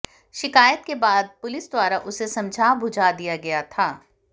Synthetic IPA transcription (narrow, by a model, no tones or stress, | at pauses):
ʃɪkaːjət̪kebaːd̪̚pʊlɪsd̪waːɾaʔʊsesɐ̃md͡ʒʱaːbʱʊd͡ʒʱad̪ijaɡɐjat̪ʰaː